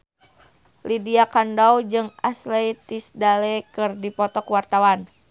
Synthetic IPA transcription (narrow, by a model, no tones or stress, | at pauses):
lidiakandawd͡ʒɨŋa̰slɛit̪isdalɛkɨrdipɔt̪ɔkwart̪awan